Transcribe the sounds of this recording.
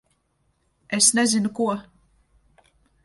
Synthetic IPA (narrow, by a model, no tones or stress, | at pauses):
esnezinukuɔ